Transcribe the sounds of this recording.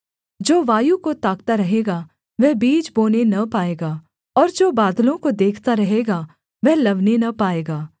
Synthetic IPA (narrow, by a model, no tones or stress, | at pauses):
d͡ʒoːʋaːjukot̪aːkt̪aɾɐɦeːɡaː | ʋɛɦbiːd͡ʒboːnenɐpaːeːɡaː | ɔːɾd͡ʒoːbaːd̪lõkod̪eːkʰt̪aɾɐɦeːɡaː | ʋɛɦlɐʋnenɐpaːeːɡaː